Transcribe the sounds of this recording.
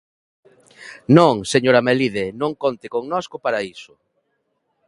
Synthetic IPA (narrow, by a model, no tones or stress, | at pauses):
nõŋseɲoɾameliðenõŋkont̪ɪkoŋnɔskʊpaɾaisʊ